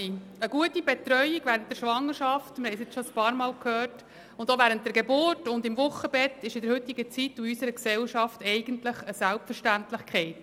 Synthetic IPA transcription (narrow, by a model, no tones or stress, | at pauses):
iəɡuətibɛt̪ɾœʏiɡvæːɾənt̚d̥̪ɛɾʃʋɑŋːəɾʃɑftmɾhɛɪsɪt͡sʃɔəspɑːɾmɑːlkʰhøːrt | ʊndoʋæːɾənt̚d̥̪ɛɾɡebʊrtʊndɪmʋʊχəbɛt̪ɪʃɪdəɾhʏtːɪɡət͡situysəɾəksɛlʃɑftɛɪɡəntləχəsælpfəɾʃtæntlɪχkχɛɪt